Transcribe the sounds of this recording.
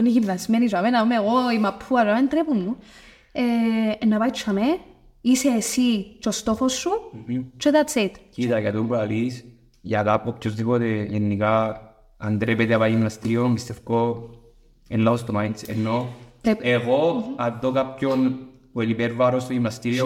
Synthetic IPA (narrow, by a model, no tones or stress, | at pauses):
oneçivðɐsmenis̬ɐvenaumeɣoimɐpʰːuɐsament̪ɾepunːu | eːnːɐpait͡ʃʰːame | iseːsit͡ʃost̪oxosːut͡ʃot̪at̪ːet̪cit̪akat̪umbalis | jak̪apːopçozðipot̪ejenːika | and̪ɾepet̪eapaʝimnast̪iɾiommist̪efko | enlaost̪omajnsḛnːoeɣoaðːokapçon | olibeɾvaɾost̪oimnast̪iɾio